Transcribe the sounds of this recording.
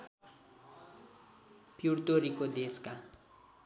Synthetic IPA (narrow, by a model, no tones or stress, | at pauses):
pʰirt̪oɾikod̪eska